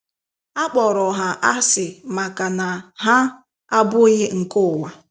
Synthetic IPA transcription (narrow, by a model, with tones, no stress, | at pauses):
a˦k͡pɔ˨ɾɔ˨ɦa˨ʔa˦sɪ˨ma˨ka˨na˨ɦa˦ | a˦bʊ˦ɣɪ˦ŋ̩˨kʊ˦˨wa˨